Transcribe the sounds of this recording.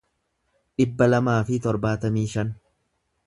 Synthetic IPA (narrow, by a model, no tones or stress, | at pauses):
ᶑɪbːɐlɐmaːfɪt̪ɔɾbaːt̪ɐmiːʃɐn